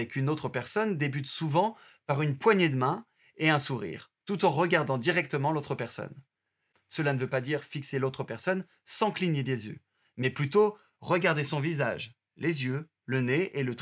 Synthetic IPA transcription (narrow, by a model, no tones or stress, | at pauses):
ɛkʰynot̪χəpɛʁsɔnd̪ebyt̪suvɑ̃ | paʁynpwaɲed̪əmɛ̃ | eɛ̃suʁḭːʁt̪ut̪ɑ̃ʁəɡaʁd̪ɑ̃d̪iʁɛk̚t̪əmɑ̃lot̪χəpɛʁsɔ̰n | səlanəvøpad̪iʁfikselot̪χəpɛʁsɔn | sɑ̃kliɲed̪ezjø̰ | mɛplyt̪o | ʁəɡaʁd̪esɔ̃vizaʒ | lezjø | ləneelət̪